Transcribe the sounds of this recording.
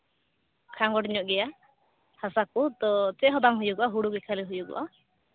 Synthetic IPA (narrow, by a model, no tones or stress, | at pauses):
kʰaŋɡɔʈɲɔʔɡɛja | hasakut̪ɔt͡ʃɛɦɔd̪aŋɦujuɡɔʔaɦuɽuɡɛkʰaliɦujuɡɔ̰ʔa